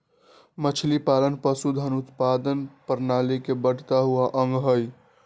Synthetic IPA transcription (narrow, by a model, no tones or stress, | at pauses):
mət͡ʃʰlipalənpəsud̪ʱənʊt̪pad̪ənpəɾnaːlikebəɽt̪aɦuaʔəŋɡɦəj